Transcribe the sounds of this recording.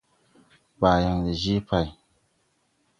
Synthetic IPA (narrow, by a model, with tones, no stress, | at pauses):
ba˨ja˨ŋli˨ʒi˦pa˨j